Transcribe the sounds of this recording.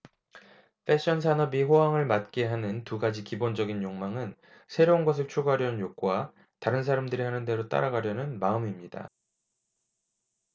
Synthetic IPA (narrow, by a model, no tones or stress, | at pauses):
pʰe̞ɕ͈ʌnsʰanʌbiɸoɦaŋɯɭmat̚k͈e̞ɦanɯntuɡad͡ʑikibond͡ʑʌɡinjoŋmaŋɯn | sʰe̞ɾounɡʌs̬ʰɯɭt͡ɕʰoɡɦaɾjʌnɯnjok̚k͈owa | taɾɯnsʰaɾamdɯɾihanɯnde̞ɾot͈a̰ɾaɡaɾjʌnɯnmaɯmimɲida̰